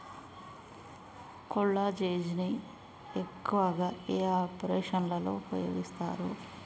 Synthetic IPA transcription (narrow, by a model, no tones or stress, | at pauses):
koɭːaːd͡ʒeːd͡ʒini | ekːuʋɐɡaːeːaːpɐɾeːʂɐnlɐlo̞̰ːpɾɐjoːɡist̪a̰ːɾu